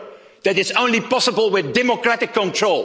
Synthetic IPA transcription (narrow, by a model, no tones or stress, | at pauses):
ðɨɾɨtsõʊ̃nlipɑsəbəlˠwɪðdɛməkɹæɾɪkːə̃ntʰɹ̥oʊl